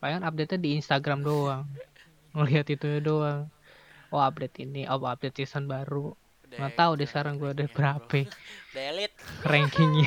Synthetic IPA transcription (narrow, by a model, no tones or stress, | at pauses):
paŋanap̚det̪̚ɲadiːnst̪aɡɾamdoaŋː | oliat̪it̪uɲadoaŋ | oap̚det̪iniʔapap̚det̪̚sisanbaɾu | ŋat̪audɛsə̥kaɾaŋɡuadabəɾapɛlt̪̚rɛŋkɪŋɲ